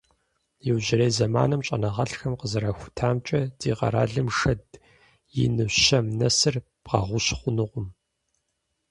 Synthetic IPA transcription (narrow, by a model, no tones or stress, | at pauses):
jɪwʑɪɾeːzɐma̰ːnɨmt͡ʃʼɐnɐʁɐɬxɐmqəzɨɾaxʷʊ̥tʰaːmt͡ʃʼɐd̥iːʁɐ̰ɾa̰ːɮɨmʂɐd | jɪ̰nɨʃɐmnɐsɨr | b̥ʁɐ̰ʁʷʊɕχʷʊnɨʁʷʊm